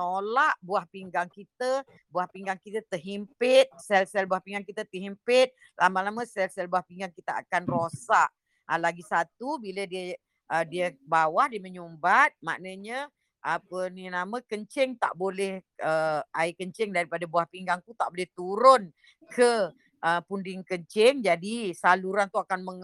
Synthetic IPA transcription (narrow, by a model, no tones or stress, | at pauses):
nolaʔbuahpiŋɡaŋkit̪ə | buahpiŋɡaŋkit̪ət̪əɦimpɪt̪̚sɛlsɛlbuahpiŋɡaŋkit̪ət̪əɦimpɪt̪̚ | lʔamalamə̃sɛlsɛlbuahpiŋɡaŋkit̪əa̰kanrosaʔ | əlaɡisat̪ubilədiə | ʔədiəbawahdiəməɲumbat̪̚ma̰nəɲə | ʔapəninamə̃kəɲt͡ʃɪŋt̪a̰ʔbolɛhəʔaikəɲt͡ʃɪŋdaɾipadabuahpiŋɡaŋk̪ut̪aʔbolɛht̪uɾʊn | kʰə | ʔəpundɪŋkəɲt͡ʃɪŋd͡ʒadisaluɾant̪uakanməŋ